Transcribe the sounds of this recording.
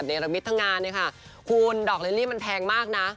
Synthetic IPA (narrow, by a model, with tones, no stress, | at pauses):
t̪̚neː˧ɾa˧mi˦˥t̪ʰːa˦˥ŋaː˧nːɯː˧˥˩kʰa˥˩ | kʰu˧ndɔː˨˩k̚le˧˦liː˦˥˩ma˧npʰɛː˧ŋmaː˥˩k̚na˦˥